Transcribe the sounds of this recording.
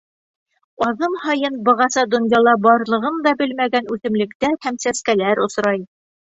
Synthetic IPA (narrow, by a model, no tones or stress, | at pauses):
ɑðɤmhɑjɤnbɤ̆ʁɑsɑd̪ŏnjɑlˠɑbɑɾlˠɤ̆ʁɤnd̪ɑbɘlmæɡænʉθɘ̆mlɘ̆kt̪æɾhæmsæskælæɾŏsɾɑj